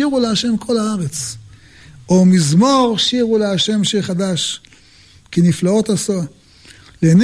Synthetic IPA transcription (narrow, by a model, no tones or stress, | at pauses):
iʁuleaʃe̞mkʰo̞laaʁet͡s | omizmoʁʃiʁuleaʃe̞mʃeχad̪aʃ | kiniflao̞t̪aso | len